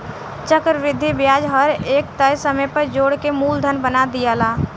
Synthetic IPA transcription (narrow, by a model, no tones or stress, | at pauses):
t͡ʃəkɾʋɾɪd̪ʱːibjad͡ʒɦəɾekt̪əjsəməjpəɾd͡ʒoɽkemuld̪ʱənbənad̪ijɛla